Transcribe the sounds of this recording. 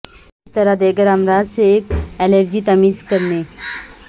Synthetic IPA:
ɪst̪ɐɾad̪eːkəɾɐmɾaːzseeːk̚ɛləɾd͡ʒit̪ɐmiːzkɐɾneː

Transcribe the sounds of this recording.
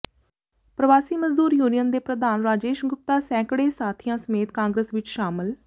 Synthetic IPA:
pɾəʋaːsiːməzd̪uːɾjuːnijənd̪eːpɾəd̪aːnɾaːd͡ʒeːʃɡʊp̚t̪aːsɛ̃ːkɽeːsaːt̪ʰɪjãːsəmeːt̪kãːŋɡɾəsʋɪt͡ʃʃaːmɪl

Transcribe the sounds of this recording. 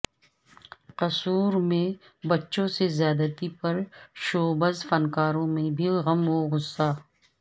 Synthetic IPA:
qɐsuːɾmẽ | bɐtːʃõsezjaːd̪ət̪ipɐɾʃoːbəzfɐnkaːɾõmẽbʱiɣɐmɦoɣʊsːaː

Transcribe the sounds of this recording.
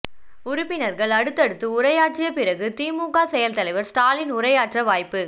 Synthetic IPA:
ʊɾʊpːɪnɐɾɣɐɭɐɽɯt̪ːɐɽɯt̪ːɯʊrɐjaːʈrɪjɐpɪɾɐɣɯt̪iːmuːkaːsɛjɐlt̪ɐlɐɪʋɐɾsʈaːlɪnʊɾɐjaːʈrɐʋaːjpːɯ

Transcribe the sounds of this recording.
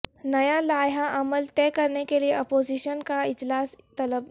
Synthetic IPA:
nɐjalaːjɦaʔɐməlt̪ɛːkɐɾnekelieɔːpoːziːʃənkaɪd͡ʒlaːst̪ɐləb

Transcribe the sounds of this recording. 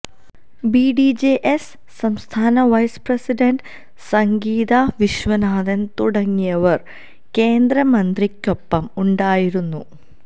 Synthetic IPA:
biɖid͡ʑeʔesː | ɐmst̪ʰaːnɐʋɐjsprɐsiɖɐɳɖ | sɐŋɡiːðaʋiɕʋɐnaːðɐnt̪uɽɐŋːijɐʋɐr | ke̞ːnd̪ɾɐmɐnd̪rikʲːo̞pːɐmuɳɖaːjiɾunːu

